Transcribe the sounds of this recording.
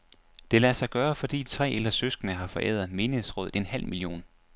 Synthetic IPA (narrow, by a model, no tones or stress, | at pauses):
d̥e̝læsɑ̈ɪɡ̥ɶːɐfɒ̽d̥ḭ̥ːt͡sʰʁɛ̰ːelɐsøsɡ̥ənəɦɑ̈fɒ̽ʔḛð̰ˠɐð̩ˠme̝ːnəhesʁɔ̽ːð̩ˠe̝nhæl̰milio̝̰ːn